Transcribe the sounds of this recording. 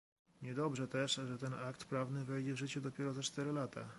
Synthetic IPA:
ɲɛd̪ɔbʐɛt̪ɛʂʐɛt̪ɛnakt̪pɾavnɘvɛjd͡ʑɛvʐɘt͡ɕɛd̪ɔpʲjɛɾɔzat͡ʂt̪ɛɾɘlat̪a̰

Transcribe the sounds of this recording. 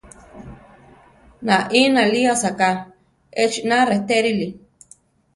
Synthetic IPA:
nãʔĩnãliasaka | et͡ʃinãret̪eɾili

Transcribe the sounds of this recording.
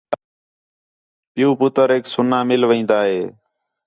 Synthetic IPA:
pɪjuːpʊt̪əɾeːksʊnãːmɪlʋẽːnd̪aːɦeː

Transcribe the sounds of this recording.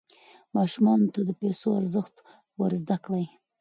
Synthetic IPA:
mɑʃumɑnot̪ad̪əpesoaɾzəxt̪ | wəɾzd̪akɽaj

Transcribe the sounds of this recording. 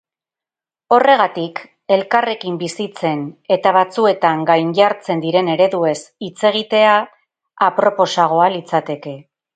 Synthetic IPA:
o̞re̞ɣ̞at̪ik | e̞lkare̞kimbisit͡se̞ne̞t̪aβat͡sue̞t̪aŋɡajnʎaɾt͡se̞nd̪iɾe̞ne̞ɾe̞ðue̞sit͡se̞ɣ̞it̪e̞aː | pɾo̞po̞saɣ̞o̞alit͡sat̪e̞ke̞

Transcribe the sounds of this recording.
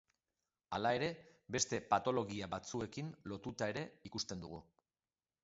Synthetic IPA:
alae̞ɾe̞be̞st̪e̞pat̪o̞lo̞ɣ̞iaβat͡sue̞kinlo̞t̪ut̪ae̞ɾe̞ikust̪e̞nd̪ṵɣ̞u

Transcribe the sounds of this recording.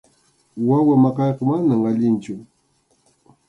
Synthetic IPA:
wawɪmɑqɑjqɑmanamaʎɪnt͡ʃʊ

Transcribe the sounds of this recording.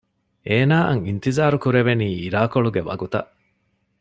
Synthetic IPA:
ʔeːnaːʔɐŋint̪izaːɾukuɾeʋeniːiɾaːkoɭuɡeʋɐ̰ɡut̪ɐʔ

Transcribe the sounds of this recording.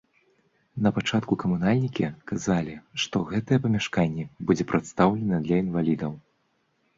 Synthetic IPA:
nɐpat͡ʂat̪kukɐmunalʲnʲikʲikazalʲiʂt̪ɔɣɛt̪ɐjɛpɐmʲaʂkanʲːɛbud͡zʲɛpɾat̪st̪awlʲɛnɐd̪lʲɐinvalʲid̪ɐw

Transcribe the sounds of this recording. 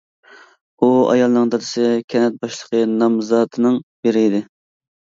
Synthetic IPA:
uɑ̰jɑlˠnɨŋd̪ɑd̪ɨsɨkʲʰɛnɛt̪̚bɑʃlˠəqʰənɑmzɑːt̪ʰɨnɨŋbeɾɪːd̪ɪ

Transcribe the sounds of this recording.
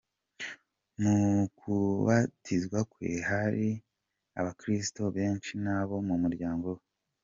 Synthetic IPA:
mukʰuβatʰizɡwakwḛhaɾi | a̰βakɾistoβe̞ːnt͡ʃinaβo̞mumuɾɟaːŋɡowe

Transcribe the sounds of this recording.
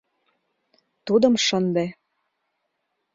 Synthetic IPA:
t̪ud̪ə̆mʃənd̪e

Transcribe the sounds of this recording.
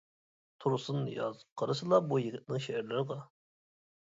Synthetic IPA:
t̪ʰuɾsɨnjɑ̰zqʰəɾɨsɨlˠɑbujɪɡʲɪt̪̚nɪŋʃehæɾlɪɾʁɑ

